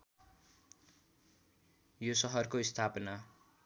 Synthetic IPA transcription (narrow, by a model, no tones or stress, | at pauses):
josʌɦʌrkoist̪ʰapʌna